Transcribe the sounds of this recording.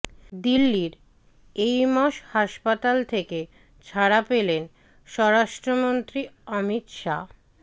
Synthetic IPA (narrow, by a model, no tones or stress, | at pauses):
d̪ilːiɾ | ejmɔʃhaʃpat̪alt̪ʰeke | t͡ɕʰaɾapelen | ʃɔɾaʃʈɾomont̪ɾiɔmit̪ʃa̰